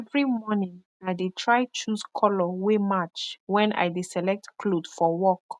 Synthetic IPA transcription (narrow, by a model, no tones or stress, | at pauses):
ɛvɹimɔnĩŋ | ajdetʰɹajt͡ʃuskʰɔlɔwemat͡ʃwɛ̃nʔa̰jdesɛlɛk̚tkʰlodfɔwɔk